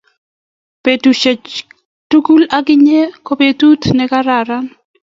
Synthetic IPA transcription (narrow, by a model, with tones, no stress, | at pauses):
pe˨tu˨ʃe˨t͡ʃ | tu˦ku˦la˦ɡɪ˦ɲe˦ko˦pe˦t̪u˦t̪nɛ˦ka˦ɾa˨ɾa˦n